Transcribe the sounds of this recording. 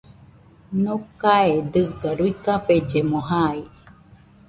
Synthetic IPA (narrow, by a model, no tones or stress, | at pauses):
nokaed̪ɨɡaɾuikaped͡ʒemoɦai